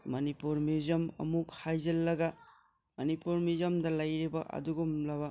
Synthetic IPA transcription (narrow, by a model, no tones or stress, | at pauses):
mɐnipuɾmizɐmɐ̰muk̚hajzɐlːɐɡɐ | mɐnipuɾmizɐmdɐlɐjɾibɐʔɐ̰duɡumlɐβɐ